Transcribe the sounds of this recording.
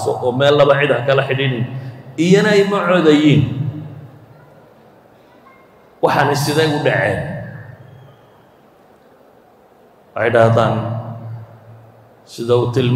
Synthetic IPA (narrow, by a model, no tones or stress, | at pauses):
sɔ̰ʔɔːmɛːlːɐβɐʕɪd̪hɐkʰɐlɐħɪɽɪnɪnɪjɐnɐɛjmɐʕɔːðɐjiːn | wɑħɑnɐsɪðɛjʊɖɑʕɛ̰ːn | wejɽaːhðaːn | sɪðɐʊt̪ʰɪlm